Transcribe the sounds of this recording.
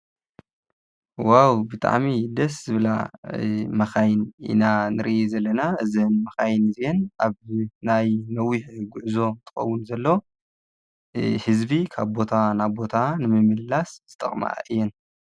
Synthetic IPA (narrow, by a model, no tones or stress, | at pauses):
wawbɨt̪ʼa̰ʕmid̪ɐsz̥ɨβla̰ | mɐxajnḭnanɨɾɨʔezɐlːɐnaɨzɨnmɐxajnɨzjɛnʔaβnajnɐwiħɡʊʕzo̞t̪ʰɨ̥xɐ̰wːʊnzɐlːo | hɨzbikʰaβbo̞t̪ʰanabo̞t̪ʰanɨmɨmɨlːasz̥ɨt̪ʼɐχʼma̰ɨjːɛn